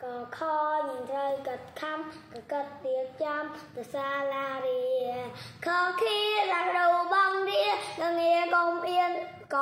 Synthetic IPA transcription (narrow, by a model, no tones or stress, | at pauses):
kɑːkʰɑːɲɨəŋt̪rəwkət̪̚kʰamkɑːkət̪̚t̪iək̚t͡ɕamt̪əsaːlaːɾi | kʰəːkʰiəsakɗoɓɑŋɾiənɨŋiəkomʔiən | kɑ